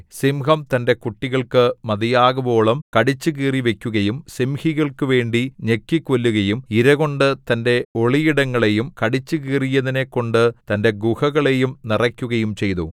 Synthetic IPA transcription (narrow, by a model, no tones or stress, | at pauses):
simhɐmt̪ɐnde̞kuʈːiɣɐɭkɨmɐðijaːɣubo̞ːɭɐmkɐɽit͡ɕːɨɣiːriʋe̞kʲːuɣɐjumsimhiɣɐɭkɨʋe̞ːɳɖiɲekːikːolːuɣɐjumiɾɐɣo̞ɳɖɨt̪ɐnde̞o̞ɭijiɽɐŋːɐɭe̞jumkɐɽit͡ɕːɨɣiːrijɐðine̞kːo̞ɳɖɨt̪ɐnde̞ɡuhɐɣɐɭe̞jumnirɐkʲːuɣɐjumt͡ɕe̞jt̪u